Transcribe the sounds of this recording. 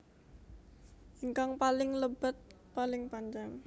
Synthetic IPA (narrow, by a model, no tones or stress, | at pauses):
ʔiŋkaŋpalɪŋləb̥ət̪̚ | palɪŋpaɲd͡ʒaŋ